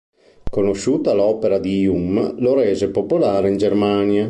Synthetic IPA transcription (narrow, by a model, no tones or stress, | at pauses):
konoʃuːt̪alɔːpeɾad̪iumloɾɛːzepopolaːɾeind͡ʒermanja